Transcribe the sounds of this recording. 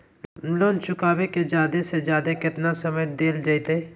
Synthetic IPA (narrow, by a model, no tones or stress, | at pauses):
loːnt͡ʃʊkaːbeked͡ʒjaːd̪esed͡ʒjaːd̪ekɪt̪nasɐməjd̪eːld͡ʒajt̪eː